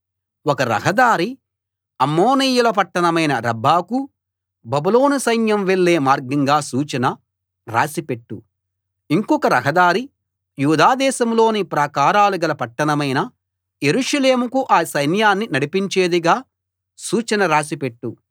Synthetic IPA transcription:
wɔkɐɾɐ̰ɦɐd̪aːɾi | ɐmːoːniːjulɐp̬ɐʈːɐnɐmɐjnɐɾɐbʱːaːku | bɐbulo̞ːnusɐjnjɐmʋeɭːeːmaːɾɡiŋɡaːsuːt͡ʃɐnɐ | ɾaːsipe̞ʈːu | iŋkɔkɐɾɐɦɐd̪aːɾi | juːd̪aːd̪ɛːsɐmlo̞ːnipɾaːkaːɾaːluɡɐlɐpɐʈːɐnɐmɐjnɐ | jeɾuʂɐleːmukuʔaːsɐjnjaːnːinɐɽipiɲt͡ʃeːd̪iɡaː | suːt͡ʃɐnɐɾaːsipe̞ʈːu

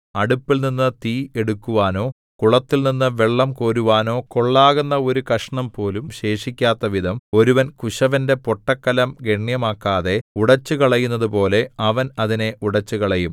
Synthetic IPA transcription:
ɐɽupːilninːɨt̪iːeɽukːuʋaːno̞ː | kuɭɐt̪ːilninːɨʋe̞ɭːɐmko̞ːɾuʋaːno̞ːkoɭːaːɣunːɐo̞ɾukɐʂɐɳɐmpo̞ːlumɕe̞ːʂikʲːaːt̪ːɐʋid̪ʱɐmo̞ɾuʋɐnkuɕɐʋɐnde̞po̞ʈːɐkːɐlɐmɡeɳjɐmaːkːaːðe̞uɽɐt͡ɕːukɐɭɐjunːɐðupo̞ːle̞ɐʋɐnɐðine̞ʔuɽɐt͡ɕːukɐɭɐjum

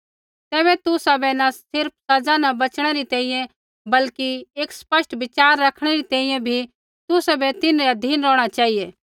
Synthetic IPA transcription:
t̪ɛːβɛt̪ʊsabɛnɐsɪɾp̚ʰsɐd͡ʒanɐbɐt͡ʃɽ̃eɾit̪ɛ̃ːĩjɛ̃ | bɐlkieːkspɐʃʈbɪt͡ʃaːɾːɐkʰɽ̃eɾit̪ɛ̃ːĩjɛ̃bʱi | t̪ʊsabɛt̪ɪnɾɛd̪ʱiːnɾɔːɽ̃at͡ʃaːɦijeː

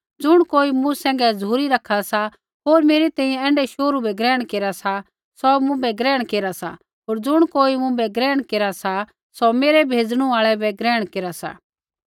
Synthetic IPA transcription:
d͡zʊɽ̃koːimũsɛ̃ːŋɡɛzuːɾiɾɐkʰasa | ɦoːɾmeːɾit̪ɛ̃ːĩjɛ̃ɛ̃ːɳɖɛʃoːɾubɛɡɾɛːɽ̃keːɾasa | sɔmʊ̃bɛɡɾɛːɽ̃keːɾasa̰ | ɦoːɾd͡zʊɽ̃koːimʊ̃bɛɡɾɛːɽ̃keːɾasa | sɔmeːɾɛbʱeːd͡zɽ̃ũaːɭɛbɛɡɾɛːɽ̃keːɾasa̰

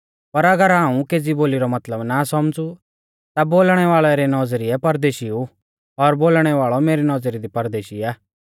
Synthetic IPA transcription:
pɐɾɐɡəɾɦaːũkeːd͡ziboːliɾɔmɐt̪ləbnasɔmd͡zu | t̪aboːlɽ̃ɛʋaːɭɛɾɛnɔd͡zɾiɛpɐɾd̪eːʃiu | ɔɾboːlɽ̃ɛʋaːɭɔmeːɾinɔd͡zɾid̪ipɐɾd̪eːʃiaː

